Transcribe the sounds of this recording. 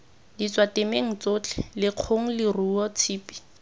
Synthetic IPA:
dit͡swatemeŋ̩t͡sot͡ɬʰɛlɪq͡χʰoŋ̩lɪruɔt͡sʰiːpʼi̥

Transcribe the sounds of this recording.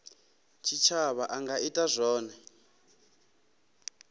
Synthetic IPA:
t͡ʃʰit͡ʃʰaβaʔaŋɡaitʼazɔːnɛ

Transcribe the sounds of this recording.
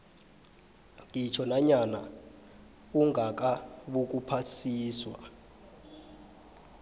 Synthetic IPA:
ŋʱit͡ʃʰɔnaɲana | uŋʱak̬ʼaɓuk̬ʼupʰasʰiːswa

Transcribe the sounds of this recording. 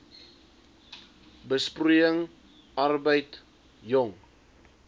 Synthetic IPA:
bəspruəŋ | ɐrbəjt | jɔŋ

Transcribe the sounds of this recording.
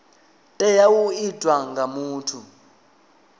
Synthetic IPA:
tʼɛjawuid̥ʱwaŋɡamuːtʰu

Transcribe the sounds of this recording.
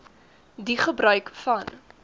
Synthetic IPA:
diχəbrœɥkfɐn

